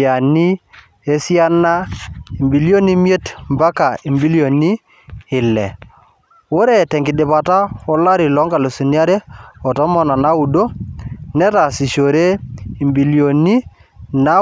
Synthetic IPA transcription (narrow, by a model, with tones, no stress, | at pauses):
a˨ni˦ | e˦si˦a˦na˦i˨mbi˨ljo˦ni˦mje˦tmba˦ka˨i˨mbi˦li˦o˨ni˦ | ɪ˨lɛ̰˨ | wo˦ɾe˨tɛ˨ŋɡɪ˨dɪ˨pa˨ta˦ɔ˦la˦ɾi˨lɔ˦ŋɡa˨lo˨su˨n˦a˦ɾe˦ɔ˨tɔ˦mɔ˨na˨na˦u˨do˦nɛ˦ta˨si˨ʃo˨ɾe˦i˨mbi˨ljo˨ni˦ | na˦